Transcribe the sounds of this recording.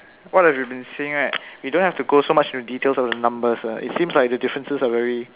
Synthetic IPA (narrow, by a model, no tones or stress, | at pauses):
wɔt̚hɛvjibĩnseɪ̃ŋatwidõnhɛftuɡosomat͡ʃĩntuditelsɔfdənãmbəsaʔɪ̰tsĩmslaɪk̚dədɪfɹə̃nsəsavɛɹi